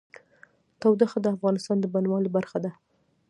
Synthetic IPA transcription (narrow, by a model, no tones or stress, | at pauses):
t̪awd̪axad̪əafɣɑnɪst̪ɑnd̪əbanwɑlibaɾxad̪a